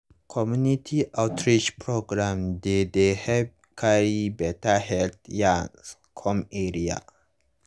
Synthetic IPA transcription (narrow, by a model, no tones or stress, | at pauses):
kʰɔmjunitʰiʔawtʰɹit͡ʃpʰɹoɡɾamd̪ed̪ehɛv | kʰaibɛtaɦɛlt̪jas | kʰɔmeɾia̰